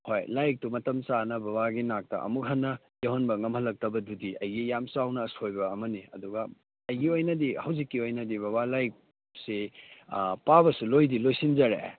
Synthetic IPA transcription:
hojlajk̚tumɐtɐmt͡ʃanɐbɐβaɡinak̚tɐ̰ʔɐ̰muk̚ɦɐnːɐ | jeɦonbɐŋɐmhɐlːɐk̚tɐbɐdudiɐjɡijamsawnɐːsojbɐːmɐniɐ̰duɡɐ | ɐjɡiojnɐdihɐwzikːiojnɐdibɐβalajk̚ | se | pabɐsulojdilojsinzɐɾḛ

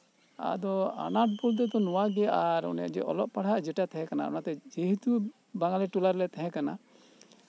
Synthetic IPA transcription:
a̰d̪ɔa̰naʈ̚bult̪ɛt̪ɔnɔwaɡɛaɾɔ̰na̰d͡ʒɛ̰ʔɔ̰lɔʔpaɽaʔd͡ʒɛʈat̪ʰɛɦɛ̃kana̰ɔ̰nat̪ɛd͡ʒeɦit̪u | baŋɡalɛʈulaɾlɛt̪ʰɛɦɛ̃kana̰

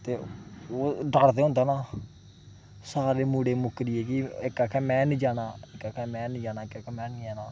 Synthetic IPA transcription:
t̪eːoːɖaːɽt̪̬eːɦʊ̃nd̪anãː | saːɾeːmuːɽeːmʊkːɾieːkiːɪkːaːkʰɛ̃ːmɛ̃ːnĩːd͡ʒaːnãːɪkːakʰɛ̃ːmɛ̃ːnid͡ʒaːnaːɪkaːkɛmɛ̃ːnijaːnãː

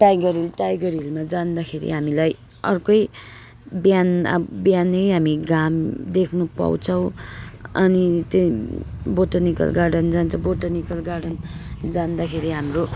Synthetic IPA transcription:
ʈajɡʌrilʈajɡʌrilmad͡zand̪akʰeɾḭɦamilaj | ʌrkʌj | bjana̰bjanːʌjɦamiɡamd̪ekʰnupa̰wt͡sʰʌw̃ʌ̰nit̪e | boʈʌnikʌ̰lɡaɖʌnd͡zant͡sʰʌ̃boʈʌnikʌlɡaɖʌnd͡zand̪akʰeɾiɦamro

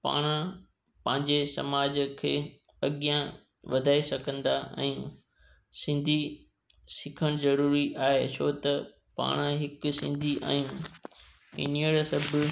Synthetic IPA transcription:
pa̰ːɽ̃ə | pɐ̃ɦɪ̃ɲd͡ʑesɐ̰maːd͡ʑəkʰeː | ɐɠjã | ʋɐd̪ʱaːesɐkʰə̃nd̪aʔɛ̰̃ː | sɪ̃nd̪ʱi | sɪkʰəɽ̃zɐɾuːɾiʔaːɦet͡ɕʰot̪ɐ | pa̰ːɽ̃əɦɪkʊsɪ̰̃nd̪ʱiʔa̰ːɦijũː | ɪ̰niəɽsɐbʱɪ

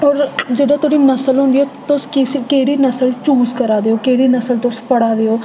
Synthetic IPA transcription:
ɔːɾd͡ʒeːɖãːt̪ʊɽiːnəsəlɦõnd̪iːoːt̪ʊskɪskeːɽiːnəsəlt͡ʃuːzkəɾaːd̪eːoːkeːɽiːnəsəlt̪ʊspəɽaːd̪eːoː

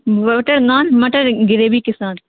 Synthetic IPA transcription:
ʋɐʈɐɾnaːnmɐʈɐɾɡɪɾeːbiːkɪsaːn

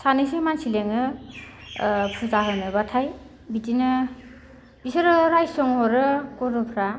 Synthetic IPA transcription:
sanisemansileŋɯ | pʰuzaɦɯnɯbatʰaj | bitinɯ | bisɯɾɯɾajsɔŋhɔɾɯkɔɾɯpʰɾa

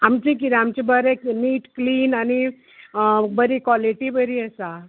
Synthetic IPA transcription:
ɦamt͡ʃikiɾeamt͡ʃibəɾekniːʈkliːnani | bəɾikaliʈibəɾiesa

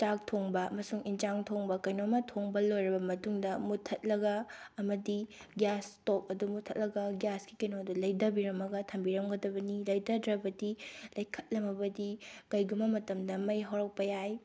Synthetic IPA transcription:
t͡ʃak̚tʰoŋbɐɐmɐsuŋind͡ʒaŋtʰoŋbɐkɐjnomɐtʰoŋbɐlojɾɐbɐmɐtuŋdɐmutʰɐt̚lɐɡɐːmɐdiɡjastok̚ɐdumutʰɐt̚lɐɡɐɡjaskikenodulɐjdɐbiɾɐmɐɡɐtʰɐmbiɾɐmɡɐdɐbɐnilɐjdɐdɾɐbɐdilɐjkʰɐ̥t̚lɐmɐbɐdikɐjɡumːɐmɐtɐmdɐmɐjɦawɾɐk̚pɐjaj

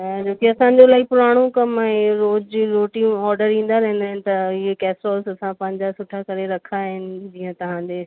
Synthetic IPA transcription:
d͡ʑoːkeɐsãːɲ̆d͡ʑolaːipʊɾaːɽ̃okɐmɛ̃ːɾoːd͡ʑɾoːʈĩɔːɾɖəɾĩːn̆d̪aɾɛɦɪ̃nd̪aːɪnɪ̆t̪ɐɪɦekɛːsɾɔːlsɐsãpɐ̃ɦɪ̃ɲd͡ʑasʊʈʰakɐɾeɾɐkʰaɦɪnɪ̆d͡ʑĩːə̃t̪ɐɦãːd͡ʑeː

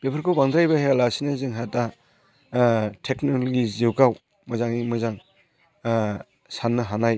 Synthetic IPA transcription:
b̥epʰɯɾkʰowbaŋd̪ɾajbahejalasinazɯŋɦata | tʰeknololɡiziwkaw | mɯzaŋimɯzaŋ | sanːɯɦanaj

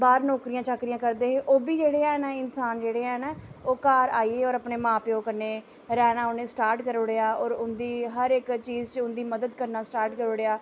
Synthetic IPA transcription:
baːɾnɔːkɾijãːt͡ʃəkɾijãːkəɾd̪eːɦʔoːbiːd͡ʒeːɽeːɛːnaɪnsaːnd͡ʒeːɽeːɦɛːnaːoːkaːɾaːiːeːɔːɾəpneːmãːpjõːkəɾneː | ɾɛːnaːʊnẽːsʈaːɾʈkəɾoːɽeːaːɔːɾʊnd̪iːɦəɾɪkt͡ʃiːzt͡ʃəʊnd̪iːməd̪əd̪kəɾnaːsʈaːɾʈkəɾoːɽeːaː

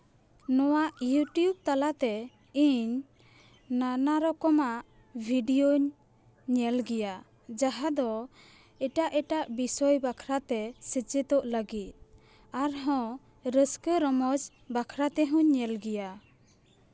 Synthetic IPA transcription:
nɔwaʔjuʈjub̚t̪alat̪ɛ | iɲ | nanaɾɔkɔmaʔ | bʱiɖioɲ | ɲɛlɡɛja | d͡ʒaɦad̪ɔ | ɛʈaʔɛʈaʔbisɔjbakʰɾat̪ɛsət͡ʃɛt̪ɔʔləɡit̪̚ | aɾɦɔ̃ | ɾəskəɾɔmɔd͡ʒ | bakʰɾat̪ɛɦũɲːɛlɡɛja

